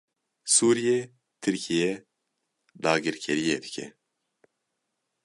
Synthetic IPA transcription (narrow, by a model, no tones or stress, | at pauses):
suːɾije | t̪ʰɨɾkʰijɛ | d̪ɑːɡɨɾkʲʰɛɾijed̪ɨkʰʲɛ̰